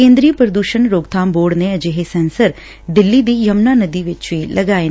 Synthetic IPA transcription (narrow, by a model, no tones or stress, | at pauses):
ẽːnd̪ɾiːəpɾəd̪uːʃənɾoːɡt̪ʰãːmboːɽneːəd͡ʒeːɦeːsɛːnsəɾ | d̪ɪlːiːd̪iːjəmnaːnəd̪iːʋɪt͡ʃʋiːləɡaːe